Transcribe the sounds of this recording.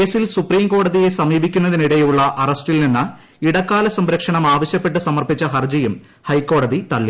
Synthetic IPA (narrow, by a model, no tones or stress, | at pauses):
ke̞ːsilsupriːmko̞ːɽɐðije̞sɐmiːbikʲːunːɐðiniɽejuɭːɐʔɐrɐstilninːɨ | iɽɐkːaːlɐsɐmɾɐkʂɐɳɐmaːʋɐɕjɐpːe̞ʈːɨsɐmɐrpit͡ɕːɐɦɐrd͡ʑɐjum | hɐjkːo̞ːɽɐðit̪ɐɭːi